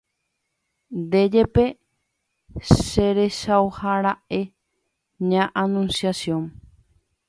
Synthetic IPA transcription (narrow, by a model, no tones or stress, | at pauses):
d̪e̞d͡ʒe̞pe̞ | ʃe̞ɾe̞ʃaohaɾaʔe̞ | ɲãʔanũnsjasjõn